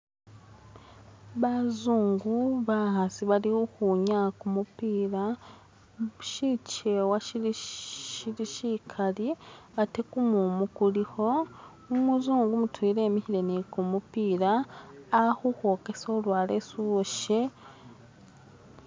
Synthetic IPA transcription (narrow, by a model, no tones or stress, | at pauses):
βazuːŋɡuβahasiβaliuxuɲakumupiːɾa | uʃit͡ʃewaʃii | iliʃikʰaliβatekumumukulixo̞ | umuzuːŋɡumutʰwiːɾe̞ːmiçiɾenekumupiːɾaː | xuho̞ke̞solwaːle̞suβoʃe̞